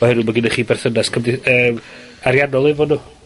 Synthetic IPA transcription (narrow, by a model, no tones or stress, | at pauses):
ɔhɛɾʊmaɡinəχiːbɛrθənaskʰəmdɪəːm | aɾjanɔlˠɪvɔnuː